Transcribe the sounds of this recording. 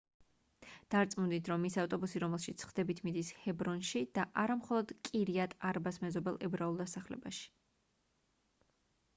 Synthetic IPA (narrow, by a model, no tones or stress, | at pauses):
d̪̥aɾt̪sʼmund̪it̪ʰɾɔmːisaft̪ʼɔbusiɾɔmɛlˠʃit̪sʰχd̪̥ɛbit̪ʰmid̪ishɛbɾɔnʃid̪̥aʔaɾamχɔlˠɔd̪̥kʼiɾiat̪ʼaɾbasmɛzɔbɛlˠʔɛbɾaulˠd̪asaχlɛ̰baʃi̥